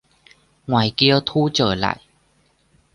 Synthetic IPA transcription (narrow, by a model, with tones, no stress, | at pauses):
ŋwaː˨˩jki˧ət̪ʰu˧˥t͡ɕəː˧˩la̰ː˧˨j